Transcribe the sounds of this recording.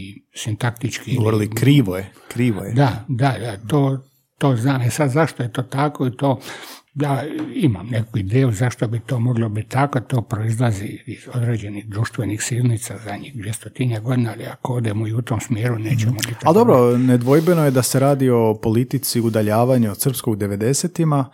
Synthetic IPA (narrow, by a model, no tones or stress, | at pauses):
isint̪akt̪it͡ʃkiɡoʋoɾilikɾiːʋoje | kɾiːʋo̰jed̪ad̪ajat̪oː | t̪oːznaːmesad̪zaʃt̪ojet̪o̞ːt̪ako̞it̪oːjaːima̰mnekuid̪eːjuzaʃt̪obit̪oːmo̞ɡlobit̪ʲːakot̪oːpɾoizlˠaziizo̞d̪ɾeːd͡ʑe̞niɣd̪ɾuʃt̪ʋenixsiɾnit̪sazaɲixd̪ʋjest̪ot̪inaɡo̞d̪inaaliakood̪emoiut̪omsmjeːɾuneːt͡ʃemobit̪ːald̪o̞bɾoned̪ʋojbenojed̪aseɾaːd̪io̞polit̪it̪siud̪aʎaːʋaɲusr̩pskoɡd̪eʋe̞d̪e̞set̪ima